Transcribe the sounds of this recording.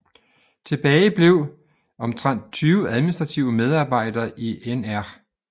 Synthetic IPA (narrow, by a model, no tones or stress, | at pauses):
t͡sʰe̝b̥ɛːɪb̥le̝ʊ̰ | ɒ̽mt͡sʰʁɑn̰d̥̚t͡sʰyːʊəæðˠminisd̥ʁɑ̈t͡sʰiʊəmeð̞ˠɑ̈ːb̥ɑ̈ɪ̰d̥ɐːʔiʔenæɐ̰